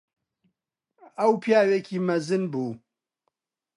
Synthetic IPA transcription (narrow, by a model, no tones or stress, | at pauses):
ɐwpʰjaːweːkʰiːmɐzɨnbuː